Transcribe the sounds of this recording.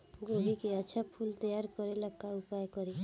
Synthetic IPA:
ɡobikeat͡ʃʰapʰult̪ɔjaɾkɔɾelakːaupajkɔɾe

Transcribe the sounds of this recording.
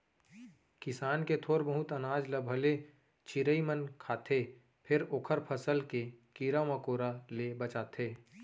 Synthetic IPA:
kɪsaːnket̪ʰoːɾbəɦʊt̪ənaːd͡ʒləbʱəle | t͡ʃʰɪɾəimənkʰaːt̪ʰe | pʰɪɾoːkʰəɾpʰəsəlkekiɾaməkoːɾalebət͡ʃaːt̪ʰeː

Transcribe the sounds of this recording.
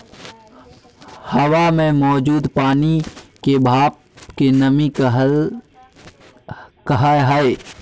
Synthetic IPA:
həwamẽmɔːd͡ʒuːd̪paːnikebʱaːp̚ | kenəmi | kəɦəɦəɪ

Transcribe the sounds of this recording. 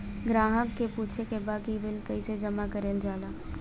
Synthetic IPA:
ɡɾaːɦəkːeput͡ʃʰekebaːkibɪlkəised͡ʒəmakəɾeːld͡ʒaːla

